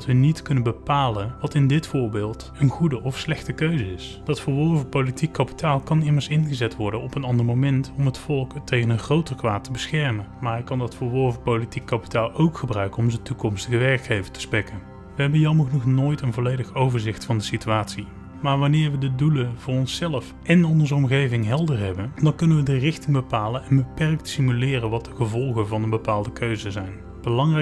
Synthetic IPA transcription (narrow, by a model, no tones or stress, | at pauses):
dtʋənitkɵnənbəpaːlənʋɑtɪndɪtfʊːɹbɪːlˠt | ənχudəʔɔfslɛxtəkøɥzəɪs | d̥ɑtfəːɹʋɔɹvəpowlitikːɑpi̥taːlˠkɑnɪməɹsɪnɣəzɛtʋɔɹdənɔpənɑndəɹmowmɛntɔmɦətfɔlˠktejɣənənχrowtərkʋa̰ːtːəbəsxɛɹmənmaːɹɦɛkːɑndɑtfəːɹʋɔɹvəpowlitikːɑpi̥taːlˠowkχəbrœɥkənɔmzəntukɔmstəɣəʋɛɹkχejvətʰə̥spɛkən | ʋəɦɛbənjɑməχnɔχnoːjtənvolejdəxowvəɹzɪxtfɑndəsityaːtsi | maːɹʋɑnɪːɹʋədəduləvʊːɹɔnsɛləf | ʔɛnɔnzəɔmɣejvɪŋɦɛlˠdərɦɛbəndɑnkɵnənʋədərɪxtɪŋbəpaːlənɛnbəpɛrk̚tsimylɪːrənʋɑtdəɣəvɔlˠɣənvɑnənbəpaːlˠdəkʰøɥzəzɛjn | b̥əlɑŋrɛ